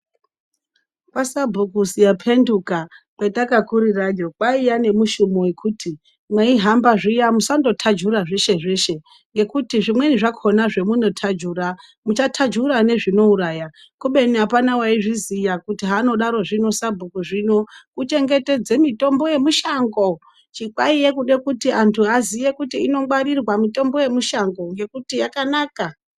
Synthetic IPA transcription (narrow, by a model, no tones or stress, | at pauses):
pasabʱukusijapʰe̞ndukakwetakakuɾirad͡ʒokaijane̞muʃumowe̞kʰutʰi | mwaiɦambaʐijamusando̞tʰad͡ʒuraʐeʃe̞ʐe̞ʃe̞ | ŋɡe̞kutiʐimwe̞niʐakʰonaʐe̞muno̞tʰad͡ʒuːra | mut͡ʃatʰad͡ʒuɾane̞ʐino̞uɾaːja | kuɓe̞niɦapanawaiʐizijakutiɦaːno̞ɗaɾo̞ʐino̞sabʱukuʐino̞kut͡ʃe̞ŋɡe̞te̞d͡zemito̞mbo̞je̞muʃaŋɡo̞ | t͡ʃikwaijekuɗe̞kutiantʰuɦazije̞kutiːno̞waɾirwamito̞mbo̞je̞muʃaŋɡo̞ŋɡe̞kutijakanaːka